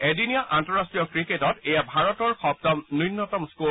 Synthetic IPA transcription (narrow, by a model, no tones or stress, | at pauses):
edinijaʔantɔɹastɹijɔkɹiketɔtejabʱaɹɔtɔɹxɔb̚tɔmninːɔtɔmsku